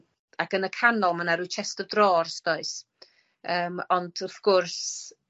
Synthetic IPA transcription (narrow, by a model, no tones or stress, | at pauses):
akənəkʰanɔlˠmanaɾuːt͡ʃʰɛstədrɔːrsd̥oːɨs | əːmɔnd̥ɔfkɔrs